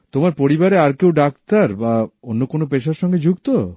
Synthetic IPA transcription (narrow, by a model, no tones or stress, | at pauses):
t̪omaɾpoɾibaɾeaɾkewɖakt̪aɾbaonːokonopeʃaɾʃɔŋɡed͡ʑuɡt̪o